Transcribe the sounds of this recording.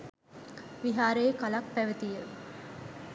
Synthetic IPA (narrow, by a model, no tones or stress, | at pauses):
ʋiɦaːɾeːkɐlɐk̚pæʋət̪ijə